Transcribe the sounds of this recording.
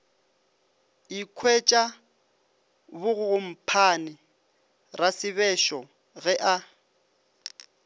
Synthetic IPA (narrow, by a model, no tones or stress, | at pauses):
ikʰwet͡ʃʼa | bʊɣʊɣʊm̩pʰanɪ | rasɪβɛʃɔ | ɣɛʔa